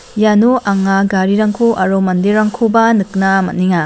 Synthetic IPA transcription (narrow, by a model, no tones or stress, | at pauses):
januʔaŋaɡaɾiɾaŋkʰoʔɐɾomɐndeɾaŋkʰobɐnɯk̚namɐ̰tniŋa